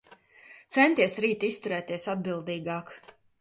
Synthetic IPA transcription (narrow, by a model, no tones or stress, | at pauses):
t̪sɛnt̪iɛsɾiːt̪ist̪uɾɛːt̪iɛsad̪̚bilˠd̪iːɡɑːk